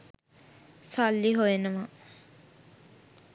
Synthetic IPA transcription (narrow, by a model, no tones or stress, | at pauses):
sɔlːiɦojenəma